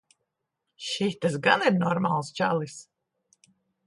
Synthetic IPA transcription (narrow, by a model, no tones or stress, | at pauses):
ʃit̪asɡaniɾnɔɾmalˠst͡ʃa̰lˠis